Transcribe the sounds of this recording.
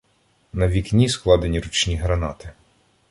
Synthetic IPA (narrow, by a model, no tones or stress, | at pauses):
nɐʋʲiknʲisklˠɑd̪enʲiɾut͡ʃnʲiɦɾɐnɑt̪ɪ